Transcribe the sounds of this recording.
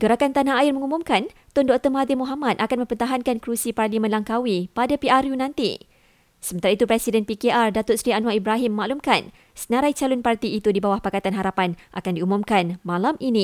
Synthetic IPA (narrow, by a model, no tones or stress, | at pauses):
ɡ̥əɾakant̪anaaɪrmə̃ŋumumkant̪ɔndɔk̚t̪əmad̪imuɦamat̪̚akanmə̃mpət̪aɦankankɾusiparlimə̃nlaŋkawipadapiaɾjunãnt̪ḭ | səmə̃nt̪aɾait̪upɾɛsidɛnpikeʔardat̪ʊt̪̚sɾianwaibɾaɦiməmaʔlumkan | sənaɾajt͡ʃalʊnpart̪iːt̪udibawahpakat̪anɦaɾapanʔa̰kandiumumkanmãlamʔinĩ